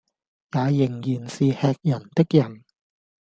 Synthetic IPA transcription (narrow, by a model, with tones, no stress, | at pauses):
jaː˨˧jɪ˨˩ŋjiː˨˩nsiː˨hɛː˧k̚jɐ˨˩nt̪ɪ˥k̚jɐ˨˩n